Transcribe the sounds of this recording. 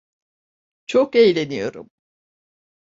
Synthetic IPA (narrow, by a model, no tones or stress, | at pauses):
t͡ʃʰokejlʲe̞nijo̞̰ɾṵm